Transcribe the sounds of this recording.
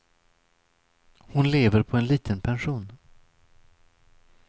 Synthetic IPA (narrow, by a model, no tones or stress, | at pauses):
hʊnleːvəɾpʰɔɛnliːt̪ʰənpʰɛnʂuːn